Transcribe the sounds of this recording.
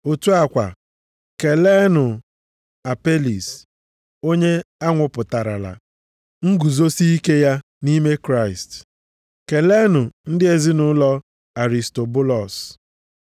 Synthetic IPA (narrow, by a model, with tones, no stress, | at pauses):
o˨tu˦a˨kʷa˨ | ke˨le˦nʊ˨ | a˨pe˦li˨s | o˦ɲe˦a˦ŋʷʊ˨pʊ˨ta˨ɾa̰˨la̰˨ | ŋ̩˦ɡu˨zo˦si˦i˦ke˦ja˦ | ni˦me˦kɾa˦˨ɪ˨st | ke˨le˦nʊ˨n̩˦dɪ˦e˨zɪ˦nʊ˦lɔ˦ | a˨ɾi˨sto˨bʊ˦lɔ˨s